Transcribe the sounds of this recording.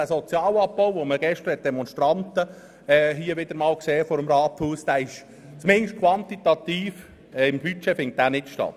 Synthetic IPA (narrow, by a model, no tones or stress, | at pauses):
æsɔt͡sjɑːlɑb̚bɔʊʋoməɡ̥ɛʃt̪əɾhɛt̪̚d̥̪ɛmɔnʃtɾɑnt̪ə | ɛːɦiːəʋɪd̥̪əɾmɑːlkseːfɔɾəmɾɑːthuːsd̥æɪʃ | t͡smɪŋʃtkʰʋɑnt̪it̪ɑt̪iːf | ɪmbyt͡ʃɛfɪŋt̚d̥̪æːnɪtʃtɑ̰t̪